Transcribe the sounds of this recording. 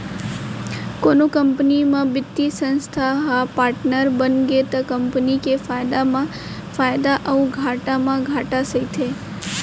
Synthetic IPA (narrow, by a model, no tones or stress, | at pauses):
konũkəmpnimãbɪt̪ːisə̃nst̪ʰaɦapaɾʈnəɾbənɡet̪akəmpnikefajd̪amã | fajd̪aʔəũɡʱaʈamãɡʱaʈasəit̪ʰe